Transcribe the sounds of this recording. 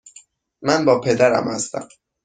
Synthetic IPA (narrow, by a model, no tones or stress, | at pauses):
mænbɒːpʰe̞d̪æɾæ̰mhæst̪æ̰m